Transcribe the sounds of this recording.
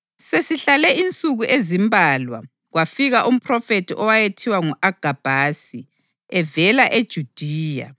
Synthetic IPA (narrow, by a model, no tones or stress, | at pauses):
sesiɬalɛint͡sʼuɣuʔezimbʱaːlwa̰ | ɣwafiɣaʔum̩pʰʼrɔfetʰiʔɔwajetʰiwaŋuʔaɡ̥ʱab̥ʱaːsi | ɛvɛlaʔed̥ʒ̥ʱud̥ʱiːja̰